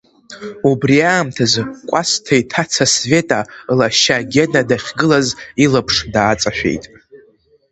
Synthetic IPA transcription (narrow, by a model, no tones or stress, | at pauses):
ubriaːmtʰazkʷʼastʰajtʰat͡sʰasve̞tʼalaʃaɡʲedadaχʲɡɨlazilapʰʂdaːt͡sʼaʃᶣe̞̰jtʼ